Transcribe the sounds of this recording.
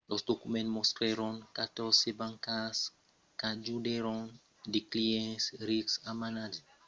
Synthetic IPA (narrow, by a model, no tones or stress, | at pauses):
lɔsdokumɛ̃ntmɔstɾeɾɔ̃nkatɔsebãŋkas | kad͡ʒudeɾɔ̃n | dekliɛ̃sɾiksamanad͡ʒɛ